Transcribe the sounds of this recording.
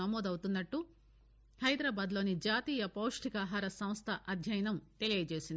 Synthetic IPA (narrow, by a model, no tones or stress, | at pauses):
ɐmɔːd̪ɐwt̪unːɐʈːu | hɐjd̪ɾaːbaːd̪loːnid͡ʒaːt̪iːjɐpowʂʈikaːɦaːɾɐsɐmst̪ʰɐʔɐd̪ʱjɐjɐnɐmt̪e̞lijeːjɐt͡ʃe̞ːsind̪i